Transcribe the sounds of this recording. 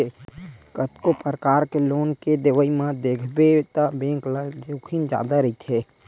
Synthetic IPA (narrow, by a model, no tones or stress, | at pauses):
ekət̪kopəɾəkaːɾkeloːnked̪ɪʋəimãd̪eːkʰbet̪əbẽːŋklad͡ʒokʰind͡ʒa̰ːd̪aɾəit̪ʰe